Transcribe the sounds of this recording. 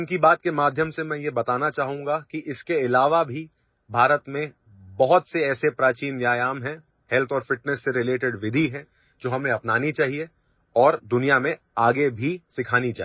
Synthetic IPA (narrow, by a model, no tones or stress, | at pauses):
nkibaːt̪̚kemaːd̪ʱjəmsemɛ̃ːjebɐt̪aːnat͡ʃaːɦũːŋɡakiʔɪskeɪlaːʋabʱi | bʱaːɾət̪mẽ | bɐɦʊt̪seɛːsepɾaːt͡ʃiːnʋjaːjaːmɦɛ̃ | hɛlt̪ʰɔːɾfɪʈnəsːeɾɪleːʈɪɖʋɪd̪ʱiɦɛ̃ | d͡ʒoːɦɐmnẽɐpnaːnit͡ʃaːɦie | ɔːɾd̪ʊnijamẽ | aːɡebʱisɪkʰaːnit͡ʃaːɦ